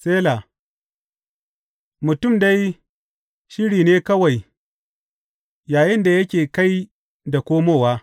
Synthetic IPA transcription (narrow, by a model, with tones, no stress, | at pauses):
seː˦la˨ | mʊ˨tʊ˦˨mda˦j | ʃɪ˦ɽiː˨neː˦kɐ˦wa˨j | jaː˨jɪ˦nda˨jɐ˦kʲeː˨ka˦j | da˨kʷoː˦moː˦˨waː˦